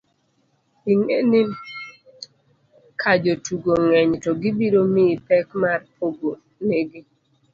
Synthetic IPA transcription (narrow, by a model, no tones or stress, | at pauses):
iŋeni | kʰad͡ʒotuɡoŋɛɲtɔɡɪbiɾomɪpɛkmarpʰoɡo | neɡe